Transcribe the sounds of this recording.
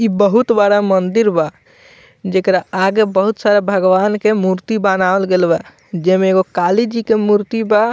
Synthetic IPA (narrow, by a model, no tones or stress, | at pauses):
ibəɦut̪baɽamənd̪iɾba | d͡ʒekɾaaɡebəɦut̪saɾebʱəɡʋankemuɾt̪ibanaəlɡelbɛ | d͡ʒɛmeːɡokalid͡ʒikemuɾt̪iba